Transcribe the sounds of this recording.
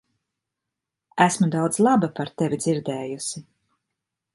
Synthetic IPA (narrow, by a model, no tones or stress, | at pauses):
æsmud̪awd̪zlˠabapaɾt̪evʲid̪ziɾd̪ɛːjusi